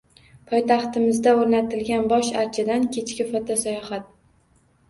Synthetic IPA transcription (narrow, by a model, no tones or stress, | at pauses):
pʰɒjt̪ʰɑχt̪ɪmɪzd̪aoɾnat̪ʰɪlɡʲanbɒʃaɾt͡ʃʰad̪ankʲʰe̞t͡ʃkʲɪfɒt̪ʰasajɒhat̪̚